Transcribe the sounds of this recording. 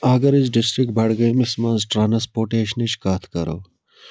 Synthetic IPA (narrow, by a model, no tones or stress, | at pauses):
ɐɡəɾɪsɖɪsʈɾɪk̚ʈ̚bʱɐɽɡɐemesmãnzʈɾaːnɐspoːɾʈeːʃənet͡ʃkaːt̪ʰkɐɾo̰ː